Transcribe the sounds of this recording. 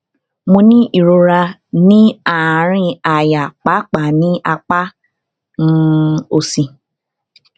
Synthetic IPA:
mõ˧nĩ˦ʔi˨ɾo˧ɾa˧ | nĩ˦ã˨˦ɾ̃ĩ˦a˨ja˨k͡pa˨˦k͡pa˨nĩ˦ʔa˧k͡pa˦ | n̩˦o˨sĩ˨

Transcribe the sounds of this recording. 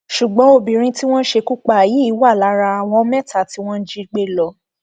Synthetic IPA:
ʃu˨ɡ͡bɔ̃˨˦o˦˨bĩ˨ɾ̃ĩ˧ti˦w̃ɔ̃˦n̩˦ʃe˧ku˦k͡pa˦˨ji˨˦i˦wa˦˨la˨˦ɾa˧a˨w̃ɔ̃˧˦mɛ˦˨ta˨ti˦w̃ɔ̃˦n̩˦d͡ʒi˦ɡ͡be˦lɔ˨˧

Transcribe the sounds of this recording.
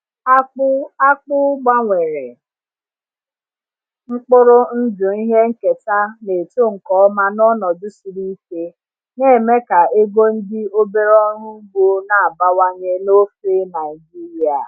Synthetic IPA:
a˦a˦k͡pʊ˦ɡ͡ba˦ŋʷe˨ɾe˨ | ŋ͡m̩˦k͡pʊ˦ɾʊ˦n̩˦dʊ˨i˦ɦe˦ŋ̩˦ke˨ta˦ne˨to˦ŋ̩˨kɔ˨ɔ˦ma˦nɔ˦nɔ˨dʊ˦su˨ɾi˦ke˦ | ne˦˨me˦ka˨e˦ɡo˦n̩˦dɪ˦o˦be˦ɾɔ˦ɾʊ˦ɡ͡bo˦na˨a˨ba˦wa˦ɲe˦no˦fe˦na˨ɪi˨d͡ʒi˦ɾi˦a˨

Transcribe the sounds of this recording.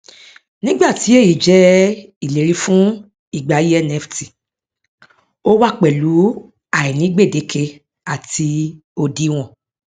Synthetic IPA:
nĩ˦ɡ͡ba˦˨ti˨˦e˦˨ji˨d͡ʒɛ˦i˦˨le˨ɾi˧fũ˦ | i˦˨ɡ͡ba˨ji˦ɛ˦˨nɛ˦fti˨ | o˦wa˦˨k͡pɛ˨lu˨˦ | a˨i˨nĩ˨˦ɡ͡be˦˨de˨˦ke˧ | a˨ti˧ | o˧di˦w̃ɔ̃˨

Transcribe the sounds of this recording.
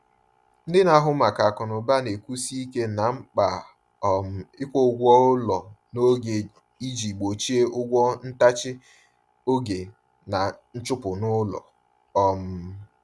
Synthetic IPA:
n̩˦dɪ˦na˦ɦʊ˦ma˨ka˨kɔ˨nʊ˨ba˦ne˨ku˦si˦i˦ke˦na˨ŋ͡m̩˦k͡pa˨ | ɔ˨m̩˦ɪ˦kʷo˦ʊ˦ɡʷɔ˦ʊ˦lɔ˨no˦ɡe˨ | i˦d͡ʒi˨k͡po˨t͡ʃi˦e˦ʔʊ˦ɡʷɔ˦n̩˦ta˦t͡ʃɪ˦ | o˦ɡe˨ | na˨n̩˦t͡ʃʊ˦pʊ˨nʊ˦lɔ̰˨ | ɔ˦m̩˦

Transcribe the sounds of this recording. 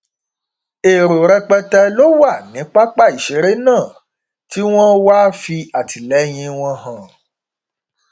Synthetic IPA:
e˨ɾo˨ɾɛ˧k͡pɛ˧tɛ˧lo˦wa˦˨nĩ˨˦k͡pa˦k͡pa˦˨i˨ʃe˨˦ɾe˦nãː˦˨ | ti˦w̃ɔ̃˦wa˦fi˧a˨ti˨lɛ˨˦j̃ĩ˧w̃ɔ̃˧ɦã˨

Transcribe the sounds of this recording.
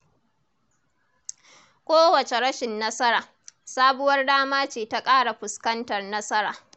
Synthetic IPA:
kʷoː˦wɐ˨t͡ʃe˨ɽɐ˦ʃɪ˨nːɐ˦sɐ˦ɾaː˨ | saː˦bʊ˦wɐ˦rdaː˦maː˦t͡ʃeː˨ta˦kʼaː˦ɽa˨ɸʊ˨skɐ˦ntɐ˨rnɐ˦sɐ˦ɾaː˨

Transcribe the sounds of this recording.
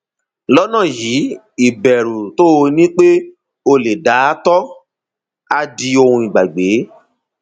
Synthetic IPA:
lɔ˦nã˦˨ji˨˦ | i˨bɛ˨ɾu˨to˦˧nĩ˦k͡pe˦ | o˧le˨da˨˦tɔ˦ | a˧di˧o˧hũ˧i˨ɡ͡ba˨ɡ͡be˨˦

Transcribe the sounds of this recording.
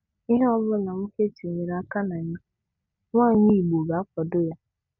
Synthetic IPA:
i˦ɦe˦ɔ˦bʊ˦na˨m̩˦ke˦t͡ʃi˨ɲe˨ɾa˨˦ka˦na˨ɲa˦ | ŋʷaː˦˨ɲi˦˨i˨ɡ͡bo˨ɡa˨a˦kɔ˨do˦ja˦

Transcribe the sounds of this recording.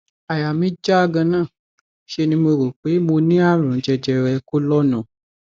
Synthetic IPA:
a˨ja˨mĩ˦d͡ʒa˦a˧ɡã˧nãː˦˨ | ʃe˧nĩ˧˦mo˧ɾo˨k͡pe˨˦mo˧nĩ˦a˦˨ɾ̃ũ˨˦d͡ʒɛ˧d͡ʒɛ˧ɾɛ˧ko˦lɔ˦nũ˨

